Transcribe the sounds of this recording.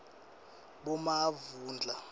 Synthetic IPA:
ɓɔmavuːnd͡ɮʱa

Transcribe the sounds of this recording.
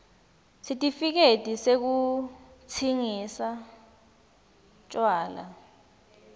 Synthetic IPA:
sitʼifik̬etʼisek̬ut͡sʰiŋisa | t͡ʃʼwaːla̰

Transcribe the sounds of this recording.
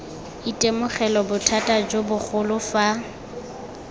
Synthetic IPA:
itʼemʊχɛlɔbʊtʰatʼad͡ʒobʊk͡xʰʊlʊfa

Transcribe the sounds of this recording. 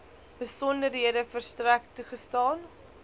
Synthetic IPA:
b̥əsɔndərɦiədəfərstræktːuχəstɑːn

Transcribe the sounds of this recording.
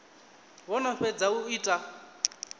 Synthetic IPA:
βɔnaɸɛd͡zauiːtʼa

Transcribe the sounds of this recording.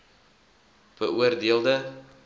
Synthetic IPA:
b̥əʔuərdiəlˠdə

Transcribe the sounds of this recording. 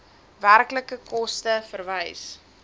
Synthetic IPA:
værkləkəkɔstəfərvəjs

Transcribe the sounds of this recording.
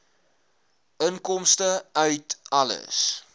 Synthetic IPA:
ʔəŋkɔmstəœɥtɐlə̰s

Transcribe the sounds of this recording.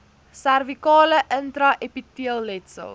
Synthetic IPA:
særvikɑːləʔəntɾɐʔepitiəlˠːɛtsə̰lˠ

